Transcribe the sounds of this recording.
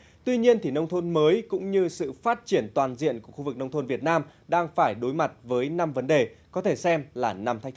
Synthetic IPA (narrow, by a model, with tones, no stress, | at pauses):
t̪wi˧ɲi˧ənt̪ʰi˨˩nə˧wŋ͡mt̪ʰo˧nməː˨˦jkʊ̰˧˥ŋ͡mɲɨ˧sɨ̰˧˨faː˦˥t̚t͡ɕi˧˩ənt̪waː˨˩nzḭ˧˨ənku˧˩əxu˧vɨ˨˩k̚nə˧wŋ͡mt̪ʰo˧nvi˨˩ət̚naː˧mɗaː˧ŋfaː˧˩jɗo˨˦jma˨˩t̚vəː˨˦jna˧mvə˨˦nɗe˨˩kɔ˨˦t̪ʰe˧˩sɛ˧mlaː˨˩na˧mt̪a˧˦˥j̟t̪